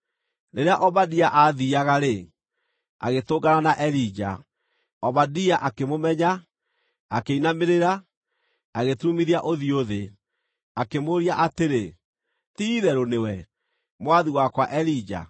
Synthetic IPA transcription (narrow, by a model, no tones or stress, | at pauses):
ɾeɾeaʔɔβadiaʔaðiaɣaɾe | a̰ɣetoɡananaʔɛɾid͡ʒa̰ | ɔβadiaʔakemomɛɲa | akeinameɾeɾa | aɣetumiɾiaʔoðioðe | akemoɾiaʔateɾe | tiðɛɾonewɛ | mwaðiwakwaʔɛɾid͡ʒa̰